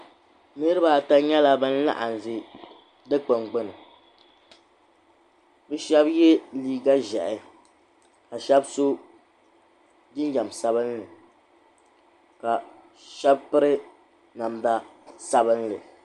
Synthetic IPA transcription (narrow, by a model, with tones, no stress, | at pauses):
nɨ˦ɾɨ˦ba˨ta˦ɲɛ˦la˦bɨ˦n̩˦la̰˦ʔa˨n˨zɨ˦ | dɨ˦k͡pɨ˨ŋɡ͡bʊ˦nɨ˨ | bɨ˦ʃɛ˦bjɛ˦liː˦ɡa˦ʒɛ˨ʔɪ˨ | ka˨ʃɛ˦bso˦ | dɪ˦n˦d͡ʒa˨msa˦bɨ˦nlɨ˨ | ka˨ | ʃɛ˦bpɨ˦ɾɨ˦ | na˨mda˦sa˦bɨ˦nlɨ˨